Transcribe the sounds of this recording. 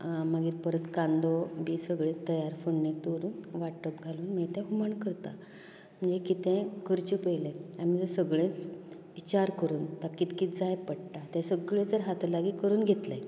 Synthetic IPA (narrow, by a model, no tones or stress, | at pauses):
məɡiːɾpəɾət̪kãnd̪obiːsəɡɭẽt̪əjaɾfoɳnẽt̪oɾuːnʋaʈːəpɡʱaluːnmet̪ɛ̃ɦuməɳkəɾt̪a̰ | m̤əɳd͡zekit̪ẽkʰəɾt͡ɕupəjlẽam̤id͡zəɾsəɡɭẽt͡s | it͡ɕaɾkəɾuːnt̪akiːt̪kiːt̪d͡zajpəɽʈat̪ɛ̃səɡɭẽd͡zəɾɦat̪ʰlaɡikəɾuːnɡʱet̪ləj